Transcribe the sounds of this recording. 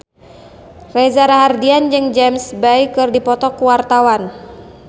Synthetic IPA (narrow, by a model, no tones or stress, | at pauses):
rɛzaɾaɦardiand͡ʒɨŋd͡ʒɛmsbaikɨrdipɔt̪ɔkuwart̪awan